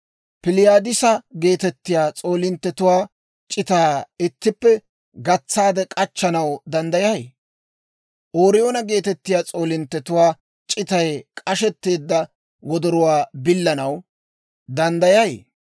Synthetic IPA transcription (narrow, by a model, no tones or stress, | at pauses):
pɪlɪjaːd̪ɪsɐɡe̞ːt̪ɛt̪ːɪjaːt͡sʼo̞ːlɪnt̪ːɛt̪ʊwaː | t͡ʃʼɪt̪aːɪt̪ːɪpːɛ | ɡɐt͡sːaːd̪ɛkʼɐt͡ʃːɐnɐwd̪ɐnd̪ɐjɐj | ʔoːɾɪjo̞ːnɐɡe̞ːt̪ɛt̪ːɪjaːt͡sʼo̞ːlɪnt̪ːɛt̪ʊwaː | t͡ʃʼɪt̪ɐjkʼɐʃɛt̪ːe̞ːd̪ːɐ | wɔd̪ɔɾʊwaːbɪlːɐnɐw | d̪ɐnd̪ɐjɐj̰